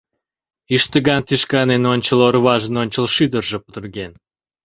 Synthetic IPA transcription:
iʃt̪əɣɑnt̪iʃkɑnenonʲt͡ɕəlorβɑʒənonʲt͡ɕəlʃyd̪ərʒĕpə̥t̪ərɣen

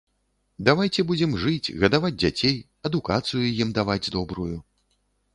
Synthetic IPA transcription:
d̪avajt͡sʲɛbud͡zʲɛmʐɨt͡sʲɣɐd̪avad͡zʲd͡zʲat͡sʲej | ɐd̪ukat̪sɨjujimd̪avad͡zʲd̪ɔbɾuju

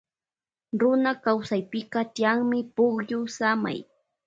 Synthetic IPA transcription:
ɾʊnakawsajpɪkɑt̪ɪjaŋmɪpʊχjʊsama̰j

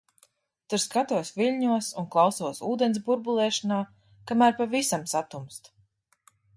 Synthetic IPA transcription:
t̪uɾskat̪uɔsvilʲɲuɔsunklˠawsuɔsuːd̪ens̬buɾbulˠɛːʃanaː | kamæːɾpavisamsat̪umst̪

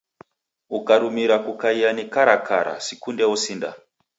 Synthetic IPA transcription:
ukaɾumiɾakukaijanekaɾakʰa̰ɾa̰sikundeusinda̰

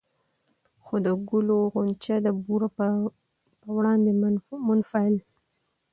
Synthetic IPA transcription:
xod̪əɡʊloɣʊnt͡ʃad̪əbuɾa | pəwɽɑnd̪emʊnfaɪl

